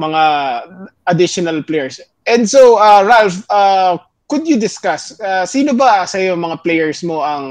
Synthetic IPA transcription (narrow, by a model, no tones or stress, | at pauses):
mɐŋa | ʔɐd̪ɪʃonɐlplɛjɛɹs | ʔɛnd̪soʔaɹalfʔa | kʊd̪jʊd̪ɪskasasiːnobasɐjomɐŋaplejɛɹsmo̞ʔɐŋ